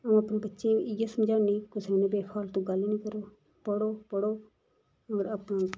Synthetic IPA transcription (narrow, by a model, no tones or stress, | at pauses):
əũːəpniːbətːʃẽːɪjaːsəmd͡ʒaːniːkʊsenẽbeːpʰaːlt̪õːɡəlːiːnĩːkəɾoː | pəɽoːpəɽoː | oɾaːpãː